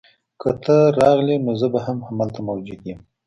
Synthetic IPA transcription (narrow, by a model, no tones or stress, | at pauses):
kət̪ʰəɾɑɣlinozəbahamhamalt̪amawd͡ʒeɡim